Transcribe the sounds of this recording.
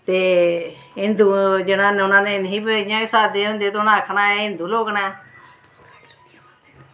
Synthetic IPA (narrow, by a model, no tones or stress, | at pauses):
t̪eː | ɪnd̪ud͡ʒɪnãːnʊnãːneɪnɦiːbãːɪsaːd̪eːɦʊ̃nd̪eːt̪oʊnãːkʰnaːɛɪnd̪uːloːknaː